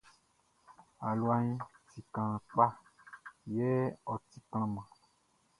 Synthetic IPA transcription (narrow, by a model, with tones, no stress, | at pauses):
a˨lu˨˦a˨ɲĩ˦ti˨kã˨k͡pa˦ | je˦ɔ˨t̪i˨kl̃ã˨mã˨